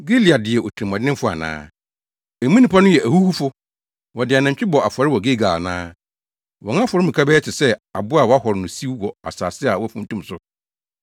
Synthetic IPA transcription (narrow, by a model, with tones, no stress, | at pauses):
ɡi˦li˨a˨dɪ˨ɛ˨ʔo˨tʰɾĩ˨m˨ɔ̃˨dɪ˦ɪ̃˦m˦fʊ˦a̰˨nã̰ː˦ | e˨mĩ˦nĩ˨pa˦nʊ̃˦jɛ˨ʔæ˨hu˦hu˦fʊ˦ | wɔ˨dɪ˨a˨nã˨ɲ˨t͡ɕᶣɪ˦bɔ˨a˨fʊ˨a˨ɾɪ˦wɔ˨ɡe˦ɡaː˨nãː˦ | wɔ̃˨ŋ˦ã˦fɔ˨ɾɪ˦mĩ˨kʰa˦bɛː˦t͡ɕʰɪ˨sɛ˦a˨bʊ˦a˨wɔ˨˦a˦hɔ˨ɾɪ˨nʊ̃˨si˦wɔ˨a̰˨saː˨sɪ˦a˨wɔ˦fũ˦n̩˦tũ˦msʊ˦